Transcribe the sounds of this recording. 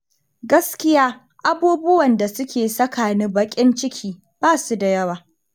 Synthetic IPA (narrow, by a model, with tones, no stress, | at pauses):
ɡɐ˦skʲɪ˦jaː˦ | ʔa˦buː˦bʊ˦wɐ˨nda˨sʊ˦kʲʰeː˨sɐ˦kʰaː˨ni˦bɐ˦kʲʼɪ˦nt͡ʃɪ˦kʲʰiː˦ | b̥aː˦˨su˦da˨jɐ˦waː˨